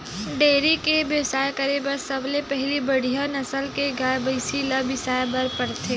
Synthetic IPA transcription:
ɖeːɾikebjəwsaːekəɾebəɾsɐblepɛɦlibɐɽijanɐsəlkeɡaːjbəɪsilɐbɪsaːebɐɾpəɽt̪ʰeː

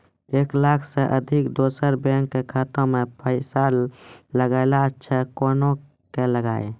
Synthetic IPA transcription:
eːklaːkʰseʔəd̪ʱɪkd̪oːsəɾbẽːŋkːekʰaːt̪õmẽpʰəɪsaːlːəɡalat͡ʃʰɛkoːno | keləɡaːe

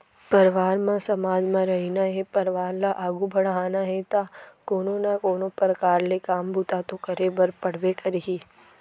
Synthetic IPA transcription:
pɐɾʋaːɾmãsɐmaːd͡ʒmãɾɐɦinaɦɛpɐɾʋaːɾlaʔaːɡubʱɐɽ̤ɦaːnaɦɛt̪aːkoːnonakoːnõpɾəkaːɾlekaːmbʱut̪at̪okɐɾebəɾpɐɽ̤ʋekɐɾɦiː

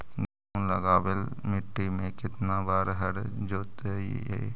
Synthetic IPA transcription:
ɡaunləɡaːbelmɪʈːimẽkɪt̪nabaːɾɦəɾd͡ʒoːt̪ḛḛ

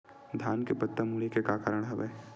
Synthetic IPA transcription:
d̪ʱjaːnkepɐt̪ːamulekekaːkaːɾəɽ̃ɦɐʋeː

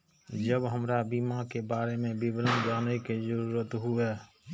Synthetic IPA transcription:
d͡ʒəbɦəmɾabiːmakebaːɾemẽbiblənd͡ʒaːnekid͡ʒəɾuːɾət̪ɦʊɛː

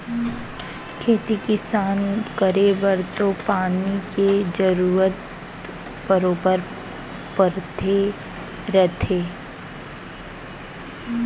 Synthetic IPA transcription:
kʰeːt̪ikɪsaːnkəɾeʋəɾt̪opaːniked͡ʒəɾuːɾət̪ | bəɾoːbəɾ | pəɾt̪ʰe | ɾət̪ʰeː

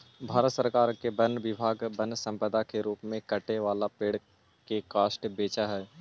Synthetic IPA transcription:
bʱaːɾət̪səɾkaːɾkebənəʋɪbʱaːɡbənsə̃mpəd̪akeɾuːpmẽkɐʈeʋaːlapeːɽ̤ | kekaːʃʈbeːt͡ʃaɦɛː

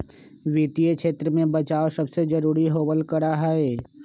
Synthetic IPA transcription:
ʋit̪ijəkʃʰeːt̪ɾəmẽbət͡ʃaːosɐbsed͡ʒɐɾuːɾiɦoːbəlkəɽaɦɛeː

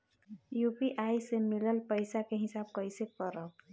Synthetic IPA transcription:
jupiʔaisemiləlpəɪsakeɦɪsaːb̚kəɪsekəɾə

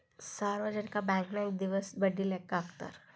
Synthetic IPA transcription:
saɾʋəd͡ʒənkabɛ̃ŋknaek̚d̪iʋəsbəɽʱilekːaːkt̪a̰ɾ

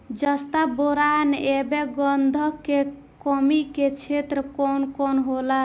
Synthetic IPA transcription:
d͡ʒəst̪aboɾanebeɡɔnd̪ʱɔke | kɔmiket͡ʃʰet̪ɾəkɔnkɔnɦola

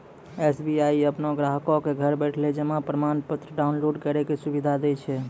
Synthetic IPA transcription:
esbiaiəpnoɡɾaɦkokeɡʱəɾbɛʈʰled͡ʒemãpɾəmanpət̪ɾəɖaunloɖkəɾɛkesubid̪ʱad̪et͡ʃʰɛ

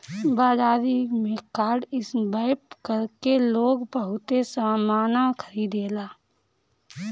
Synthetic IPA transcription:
baːd͡ʒaːd̪imẽkaːɾɖɪsbaɪpkəɾkeloːɡbəɦʊt̪esaːmaːnakʰəɾiːd̪eːlaː

